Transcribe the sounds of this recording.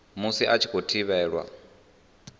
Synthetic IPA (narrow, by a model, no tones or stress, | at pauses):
musiʔat͡ʃʰi̥kʰʼotʰiβɛːɺwa̰